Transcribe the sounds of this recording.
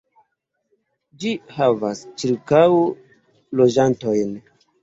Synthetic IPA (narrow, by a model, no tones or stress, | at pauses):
d͡ʒihavast͡ʃiɾkaw | lod͡ʒantojn